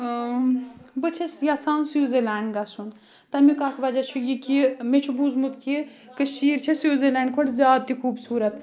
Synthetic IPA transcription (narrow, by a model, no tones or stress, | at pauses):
bət͡ʃʰesjat͡sʰaːnsiwzelaːɳɖɡasun | t̪ɐmikakʋad͡ʒat͡ʃʰujikimet͡ʃʰubuzmut̪kikɐsiːɾt͡ʃʰesiwzelaːɳɖkʰoʈzʲjaːd̪̚t̪ikʰubsuːɾɐt̪